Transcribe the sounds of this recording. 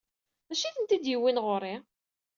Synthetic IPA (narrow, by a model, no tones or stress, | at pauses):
mæʃiθənt̪id̪jəwːinʁoɾi